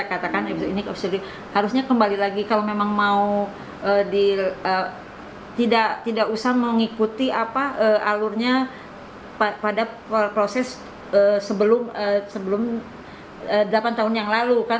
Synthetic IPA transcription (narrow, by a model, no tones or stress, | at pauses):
kat̪akanepisoinikɔisuɾi | haɾusɲakəmbalilaɡikalamemaŋmau | ədiə | t̪idaʔt̪idaʔusahməŋikut̪iʔapaəalʊrɲa | papada | pɾosɛs | əsəbəlʊməsəbəlʊm | ədəlapant̪aɦʊnjaŋlaluka